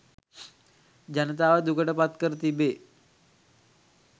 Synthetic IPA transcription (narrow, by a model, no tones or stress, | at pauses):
d͡ʒanət̪aːʋəd̪ukəʈəpat̪kəɾət̪ibeː